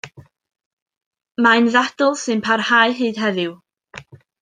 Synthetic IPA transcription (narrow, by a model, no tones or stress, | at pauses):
maɨnðad̥ɔlˠsɨnpʰarhaːɨɦɨːd̥ɦɛðɪw